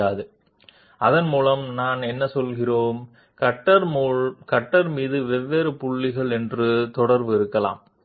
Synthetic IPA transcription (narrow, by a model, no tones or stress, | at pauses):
aːðɯ | ʔɐðɐnmuːlɐmnaːnɛnːɐsɔlɣɪroːm | kɐʈːɐɾːkɐʈːɐɾmiːðɯʋɛʋːeːɾɯpʊɭːɪɣɐɭɛndrɯt̪ɔɽɐɾʋɯɪɾɯkːɐla̰ːm